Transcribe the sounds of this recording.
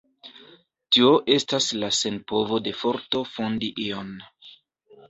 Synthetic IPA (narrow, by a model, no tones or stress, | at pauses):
tio̞ʔe̞staslase̞npo̞vo̞de̞fo̞ɾto̞fo̞ndiʔion